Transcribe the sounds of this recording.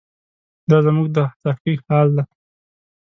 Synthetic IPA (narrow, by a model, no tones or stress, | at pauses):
d̪ɑzəmuɡ̚d̪ət̪akihɑld̪a